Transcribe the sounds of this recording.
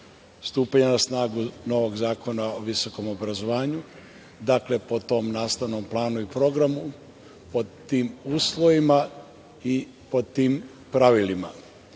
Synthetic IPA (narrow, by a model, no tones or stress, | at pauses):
st̪uːpaɲenasnaːɡuno̞ʋo̞ɡzaːkʰo̞naoʋiso̞ko̞mo̞bɾazo̞ʋaːɲu | d̪akle̞po̞t̪o̞mnaːst̪aʋno̞mplˠaːnuipɾo̞ɡɾamu | po̞t̪iːmuːslˠo̞ʋima | i | po̞t̪iːm | pɾaʋilima